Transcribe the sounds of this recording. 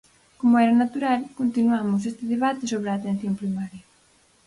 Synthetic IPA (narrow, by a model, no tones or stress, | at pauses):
komʊɛɾɐnat̪uɾalkont̪inuamʊs̬est̪ɪðeβ̞at̪ɪsoβɾɪaːt̪ẽn̟θjompɾimaɾjɐ